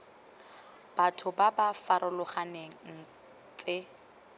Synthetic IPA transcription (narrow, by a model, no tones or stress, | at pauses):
b̥atʰʊbabafaɾʔʊlʊχaneŋ̩ | t͡sʼɪ